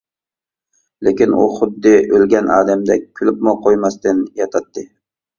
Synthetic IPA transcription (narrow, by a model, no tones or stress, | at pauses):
lekʲɪnʔʊ̰χʊd̪ːɪʔølɡʲanʔɑːd̪amd̪akʲʰʊlɪpmʊqʰojmast̪ɪnjɑt̪ʰat̪ːɪ